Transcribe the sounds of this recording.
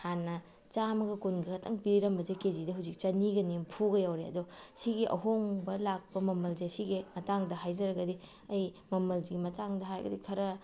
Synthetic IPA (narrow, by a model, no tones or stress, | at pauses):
hanːɐ | t͡ʃamɐɡɐkunɡɐkʰɐtʰɐŋpiɾiɾɐmbɐzeked͡ʒidɐɦawzik̚t͡ʃɐniɡɐnimpʰuɡɐjawɾeɐ̰dosiɡiʔɐ̰ɦoŋbɐlak̚pɐmɐmɐld͡ʒesiɡemɐtaŋdɐɦajd͡ʒɐɾɐɡɐdi | ɐj | mɐmɐlziɡimɐtaŋdɐɦaɾɐ̰ɡɐ̰dikʰɐɾɐ